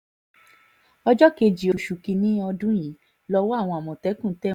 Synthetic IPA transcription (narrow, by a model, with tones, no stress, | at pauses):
ɔ˧d͡ʒɔ˦ke˧d͡ʒi˨o˨ʃu˨ki˧nĩ˦ɔ˧dũ˦j̃ĩ˨˦ | lɔ˧˦wɔ˦a˦˨w̃ɔ̃˧a˨mɔ̃˨tɛ˨˦kũ˦˨˦tɛ˦